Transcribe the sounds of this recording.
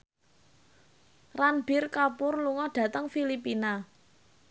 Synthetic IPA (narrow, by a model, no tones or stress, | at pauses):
ranbɪrkapʊrluŋɔɖ̥ä̤t̪əŋfilipina